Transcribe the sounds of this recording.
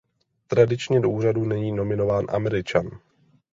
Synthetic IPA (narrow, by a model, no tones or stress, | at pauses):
t̪ɾadɪt͡ʃɲɛdoʔuːradunɛɲiːno̞mɪno̞vaːnʔa̰mɛɾɪt͡ʃan